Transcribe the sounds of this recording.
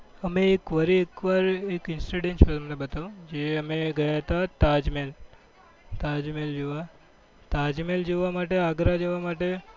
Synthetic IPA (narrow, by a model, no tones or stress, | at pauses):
əmẽekʋəɾiekʋaːɾekɪnsɾiɖẽnt͡ʃəəmnebət̪aũd͡ʒeəmẽɡɐjat̪ʰat̪ad͡ʒmel | t̪aːd͡ʒmeld͡ʒeʋa | t̪aːd͡ʒmeld͡ʒeʋamaːʈ̬eaɡɾad͡ʒeʋamaːʈe